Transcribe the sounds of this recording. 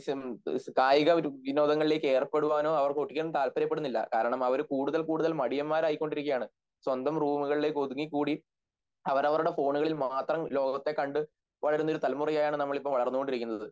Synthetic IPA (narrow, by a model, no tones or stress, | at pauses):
kaːjiɣɐʋino̞ːd̪ɐŋːɐɭile̞ːkːe̞ːrpːe̞ɽuʋaːno̞ːɐʋɐrkkoʈːikʲːɐnt̪aːlpɐɾjɐpːe̞ɽunːilːɐ̰kaːɾɐɳɐmɐʋɐɾukuːɽuðɐlkuːɽuðɐlmɐɽijɐmːaːɾaːjikʲːo̞ɳɖiɾikʲːɐjaːɳɨ | swɐnd̪ɐmruːmuɣɐɭile̞ko̞ðuŋːikːuːɽi | ɐʋɐɾɐʋɐɾuɽe̞fo̞ːɳuɣɐɭilmaːt̪rɐmlo̞ːɡɐt̪ːe̞kɐɳɖɨ | ʋɐɭɐɾunːɐo̞ɾut̪ɐlmurɐjaːjaːɳɨnɐmːɐɭipːɐmʋɐɭɐrnːuko̞ɳɖiɾikʲːunːɐðɨ